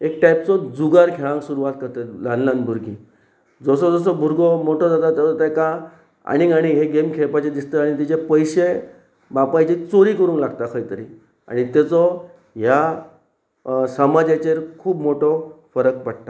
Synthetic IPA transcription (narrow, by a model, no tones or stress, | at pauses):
ekʈajpt͡sɔd͡zuɡaɾkʰeɭãŋksuɾuʋat̪̚kəɾt̪əlanlanbʱuɾɡḭ | d͡zɔsɔd͡zɔs̬ɔbʱuɾɡɔmoʈʰɔd͡zat̪at̪əat̪aka | a̰ɽ̃iɡaɽ̃iɦeɡemkʰepat͡ɕed̪ist̪əaɽ̃it̪it͡ɕepəjɕe | bapajt͡ɕit͡soɾikəɾuːnlaɡ̚t̪akʰəjt̪əɾḭ | a̰ɽ̃it̪et͡sɔ | ɦja | səmad͡ʑjat͡ɕeɾkʰuːbmoʈɔfəɾək̚pəɽt̪a